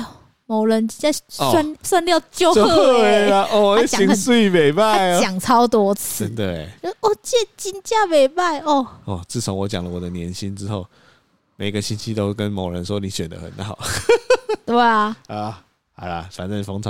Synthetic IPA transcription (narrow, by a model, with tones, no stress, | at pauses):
mo˨˦ʊɻə˨˦nt͡ɕi˧˥nt͡ɕa˥˧swa˥˧nswa˥˧nljɑ˥˧ʊt͡ɕjo˥˦ʊ˥˦˧a˧˦ʔɔ˧˩˨ɕi˨˦ŋə˨˦t͡s̩˥˩˨me˨˩ɪma˥˨˥ɪt͡ɕja˨˩ŋt͡sʰɑ˦˥ʊt̪wɔ˥t͡s̩ʰ˧˥ə˦nt̪we˥˩ɪ˧ɔ˥˨˩t͡ɕjɛ˥˨t͡ɕi˥nt͡ɕja˥˧me˨˩ɪma˥˧ɪɔ˥˧˩ɔ˥˨˩t͡sɹ̩˥˩t͡sʰo˧˦ŋwɔ˧˦t͡ɕja˨˩ŋlə˦wɔ˨˩d̪ə˦njɛ̰˧˦nɕi˦nʈ͡ʂɻ̩˦xo˥˩ʊ | me˨˩ɪ˧ɡə˨ɕi˦nt͡ɕʰi˦t̪o˦ʊkə˦nmo˨˩ʊɻə̰˧˦nʂwɔ˦˥ni˨˦ɕɥɛ̰˨˩nd̪ə̰˦xə̰˨˦nxɑ̰˨˩˦ʊ | t̪we˥˩ɪa˩a˨˩ | ha˨˧˩ɪla̰˨fa̰˨˩nə˥˩fɑ˥ŋt͡sʰɑ˧˦